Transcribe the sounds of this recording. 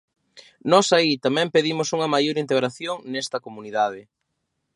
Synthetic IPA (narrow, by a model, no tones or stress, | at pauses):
nɔsait̪amɛ̃mpeðimʊsuŋɐmajoɾint̪eɣɾaθjoŋnɛst̪ɐkomuniðað̞ɪ